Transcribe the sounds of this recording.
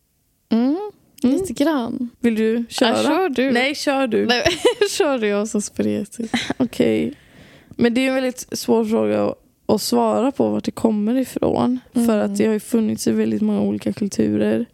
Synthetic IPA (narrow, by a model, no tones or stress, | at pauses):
liːt̪əɡɾanvɪld̪ɵɕœːɾaœːɖʉnɛjɕœːɖɵɛɕœːɖʉjasɔspɾḛːt̪ʰɪɔkʰɛ̰j | mɛnd̪ɛːjʉɛnvɛld̪ɪt̪svoːɾfɾoːɡa̰ɔ̰ | ɔsvɑːɾapʰɔvaʈ̚ɖɛkʰɔmːəɾɪfɾo̰ːnfœɾat̪̚d̪ɛhajɵfɵnːɪt̪sɪvɛld̪ɪt̪mɔŋːauːliːkakʰɵlt̪ʰʉ̟ːɾəɾ